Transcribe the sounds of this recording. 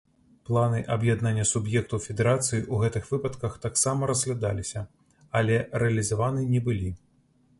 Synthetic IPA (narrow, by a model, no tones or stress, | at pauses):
plˠanɨʔɐbjad̪nanʲːɐsubjɛk̚t̪ufʲɛd̪ɛɾat̪sɨjiʔuɣɛt̪ɨxvɨpɐt̪kɐxt̪aksamɐɾɐzɣlʲad̪a̰lʲisʲɐ | ɐlʲɛrɛɐlʲizavanɨnʲɛbɨlʲi